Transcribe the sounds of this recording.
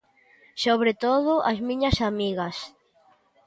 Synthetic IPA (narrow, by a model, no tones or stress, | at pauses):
soβɾet̪oðʊʔazmĩɲɐsamiɣɐs